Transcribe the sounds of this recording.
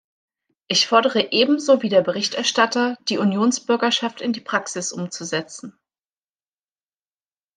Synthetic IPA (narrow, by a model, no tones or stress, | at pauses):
ʔɪçfɔɐɾəʁəʔeːbm̩zoːviːdeːɐbəʁɪçtɛɐʃtatɐd̥iːunjoːnsb̥ʏɐɡɐʃaftɪndiːpʁ̥aksɪsʔʊmt͡suzɛt͡sn̩